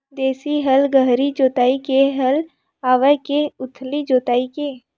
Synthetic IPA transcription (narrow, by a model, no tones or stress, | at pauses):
d̪eːsiɦəlɡəɦɾid͡ʒoːt̪aːikeɦəl | aːʋəkeʊt̪ʰlid͡ʒoːt̪aːike